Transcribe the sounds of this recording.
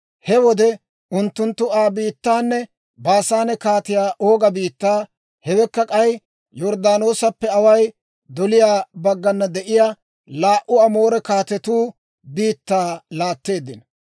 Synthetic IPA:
hɛwɔd̪ɛ | ʊnt̪ːʊnt̪ːʊaːbiːt̪ːaːnːɛ | baːsaːnɛkaːt̪ɪjaːʔoːɡɐbiːt̪ːaː | hɛwɛkːɐkʼɐj | jɔɾd̪aːno̞ːsɐpːɛɐwɐj | d̪ɔlɪjaːbɐɡːɐnːɐd̪ɛʔɪjaː | laːʔʊɐmo̞ːɾɛkaːt̪ɛt̪uː | biːt̪ːaːlaːt̪ːe̞ːd̪ːɪnɐ

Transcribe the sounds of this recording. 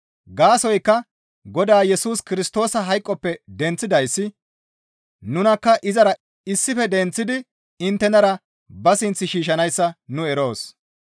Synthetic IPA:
ɡaːsɔjkːɐ | ɡɔd̪aːjɛsuːskɪɾɪst̪o̞ːsɐɦɐjkʼːɔpːɛd̪ɛnt͡sːɪd̪ɐjsːɪ | nʊnɐkːɐʔɪzɐɾɐ | ɪsːɪfɛd̪ɛnt͡sːɪd̪ɪ | ɪnt̪ːɛnɐɾɐ | bɐsɪnt͡sːɪʃiːʃ̬ɐnɐjsːɐnʊɛɾo̞ːs

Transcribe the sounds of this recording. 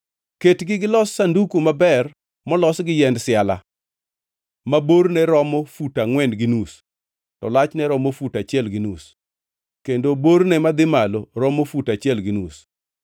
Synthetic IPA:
ketɡɪɡɪlɔsːandukomabɛr | mɔlɔsɡɪjɛndsɪala̰ | maboɾnɛɾɔmɔfutaŋwɛndɡɪnus | tɔ̰lat͡ʃnɛɾɔmofutat͡ʃɪɛlɡɪnus | kendobornɛmad̪ɪmaloɾɔmofutat͡ʃɪɛlɡɪnus

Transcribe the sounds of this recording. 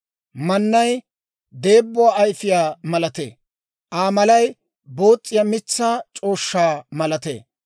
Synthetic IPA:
mɐnːɐj | d̪e̞ːbːʊaːɐjfɪjaːmɐlɐt̪ḛː | ʔaːmɐlɐj | bo̞ːt͡sʼːɪjɐmɪt͡sːaːt͡ʃʼo̞ːʃːaːmɐlɐt̪ḛː

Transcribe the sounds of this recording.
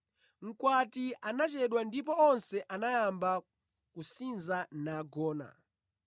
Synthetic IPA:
ŋ̩kwatianat͡ʃɛɗwandip̬ɔɔnsɛʔanajamba | kusinzanaɡɔːna̰

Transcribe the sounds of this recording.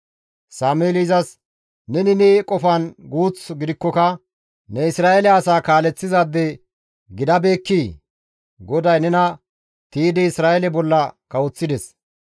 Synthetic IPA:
saːmeːlizɐs | nɛnɪneːkʼɔfɐnɡuːt͡sɡɪd̪ɪkːɔkɐ | nɛɪsɾaːʔɛlɛɐsaːkaːlɛt͡sːɪzad̪ːɛ | ɡɪd̪ɐbe̞ːkːiː | ɡɔd̪ɐjnɛnɐ | t̪iːd̪ɪɪsɾaːɛlɛbɔlːɐkɐwɔt͡sːɪd̪ɛs

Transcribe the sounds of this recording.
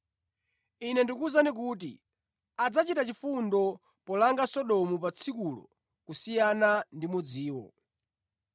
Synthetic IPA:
inɛndikuzanik̬uːtḭ | ad͡zat͡ʃitat͡ʃifundɔ | pɔlaŋɡasɔɗɔmupat͡sʰikulɔ̰ | kusijanandimud͡ziːwɔ̰

